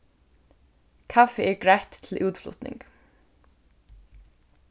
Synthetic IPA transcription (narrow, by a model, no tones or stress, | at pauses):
kʰafɪɛɹkɹɛht̪ːʰɪlʔuːt̪flʊ̰ht̪nɪ̰ŋk